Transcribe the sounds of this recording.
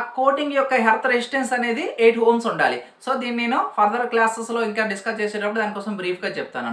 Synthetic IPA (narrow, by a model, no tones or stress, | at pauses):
ko̞ːʈiŋɡjɔkːɐɦelt̪ʰɐɾesʈensɐne̞ːd̪iʔeːʈɦoːmsuɳɖa̰ːli | so̞ːd̪iːnineːnupʰɐɾd̪ɐɾklaːseslo̞ːiŋkaːɖiskɐst͡ʃeːsɛːɽɐpːuɽud̪aːnikɔːsɐmbɾiːpʰɡaːt͡ʃɛp̚t̪a̰ːnu